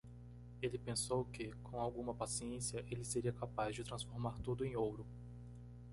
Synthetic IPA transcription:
elɪpẽsowkɪkʰõw̃awɡũmɐpasiẽsiɐʔelɪseɾiɐkapazd͡ʒɪt̪ɾɐ̃sfoɾmaɾt̪ud̪ʊẽj̃owɾʊ

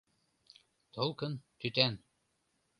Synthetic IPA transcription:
t̪olˠkɤ̆nt̪yt̪æn

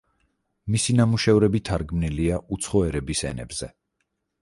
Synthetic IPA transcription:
misinamuʃɛvɾɛbit̪ʰaɾɡmniliaut̪sʰχɔɛɾɛbisɛ̰nɛ̰bz̥ɛ

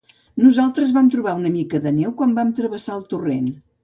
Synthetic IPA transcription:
nuzalˠt̪ɾəzβamt̪ɾuβaunəmikəðənɛwkwambamt̪ɾəβəsaəlˠt̪uren

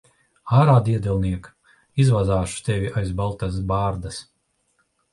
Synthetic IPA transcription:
aːɾaːd̪iɛd̪ʲɛlˠniɛk | izvazaːʃu̥t̪evʲiʔajzbalˠt̪as̬baːɾd̪as

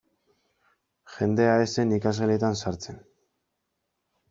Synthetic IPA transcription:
xe̞nd̪e̞aese̞nikazɣelet̪ansaɾt͡se̞n

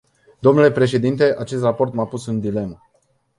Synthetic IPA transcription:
d̪o̞mnule̞pɾe̞ʃ̬e̞d̪int̪e̞ʔat͡ʃe̞st̪rapo̞rt̪mapusɨnd̪ile̞mə

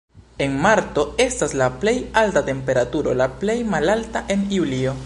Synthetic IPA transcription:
e̞nmaɾto̞e̞staslaple̞jaltate̞mpe̞ɾatuɾo̞laple̞jmalaltaʔe̞niulio̞

